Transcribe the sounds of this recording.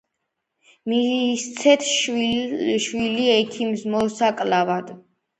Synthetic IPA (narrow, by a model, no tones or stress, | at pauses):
mist̪sʰɛt̪ʰʃ | ʃwiliɛkʰimsmɔsakʼlavad̪